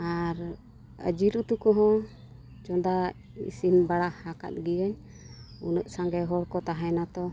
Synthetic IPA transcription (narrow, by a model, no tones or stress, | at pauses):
aɾ | ə̰d͡ʒiɾut̪ukɔɦɔ̃ | t͡ʃɔd̪a | ḭsimbaɽahaka̰t̪̚ɡiəɲ | unəʔ̚saŋɡɛɦɔɽkɔt̪aɦajnat̪ɔ